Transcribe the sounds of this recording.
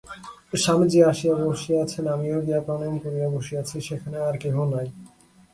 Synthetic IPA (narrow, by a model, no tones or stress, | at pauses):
ʃamid͡ʑiaʃiaboʃiat͡ɕʰenamioɡiapanenkoɾiaboʃiat͡ɕʰeʃekʰaneaɾkeɦonaj